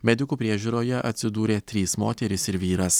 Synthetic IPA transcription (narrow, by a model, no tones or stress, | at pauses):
mʲɛd̪ʲɪkuːpʲɾʲiɛʒʲuːɾoːjɛʔɐt̪ʲsʲɪd̪uːɾʲeːt̪ʲɾʲiːsmoːt̪ʲɛɾʲɪsɪɾʋʲiːɾɐs